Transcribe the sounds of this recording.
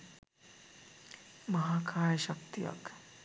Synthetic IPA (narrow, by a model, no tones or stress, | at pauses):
mɐɦaːkʰaːjʃɐkt̪ijɐ̰k